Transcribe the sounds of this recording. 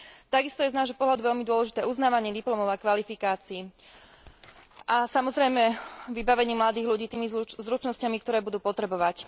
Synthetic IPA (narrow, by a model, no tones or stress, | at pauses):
t̪aɡist̪ɔjɛznaːʒɦɔpɔɦlad̪uʋɛʎmid̪ʊɔlɛʒit̪ɛːʔuznaːʋaɲɪɛd̪iplɔmɔʊakʋalifikaːt͡siː | ʔasamɔzɾɛjmɛʋibaʋɛɲiːmlad̪iːɣluɟiːt̪iːmizɾut͡ʃnɔscamik̚t̪ɔɾɛːbud̪uːpɔt̪ɾɛbɔʋac